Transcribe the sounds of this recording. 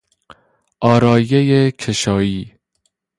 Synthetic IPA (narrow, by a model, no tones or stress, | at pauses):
ʔɒːɾɒːjejecʰeʃɒːiː